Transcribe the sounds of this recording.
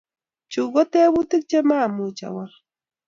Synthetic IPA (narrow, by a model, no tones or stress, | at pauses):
t͡ʃʊɢot̪ewʊt̪ɪk̚t͡ʃamaːmut͡ʃa̰wa